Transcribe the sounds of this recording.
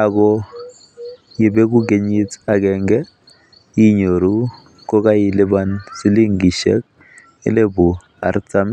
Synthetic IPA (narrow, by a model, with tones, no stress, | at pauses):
a˨kɔ˦ | ji˨bɛ˦k̬u˦k̬e˨ɲi˦t͡sa˨k̬ɛŋɡɛ˦ | ji˦ɲo˨ɾu˦ | kɔ˦k̬a˦ji˦lɪ˦ba˦nsi˦li˦ŋɡi˨ʃɛ̰˦k̚ | ɪ̰˦le˦bu˨ | a̰˨rt͡sa˦m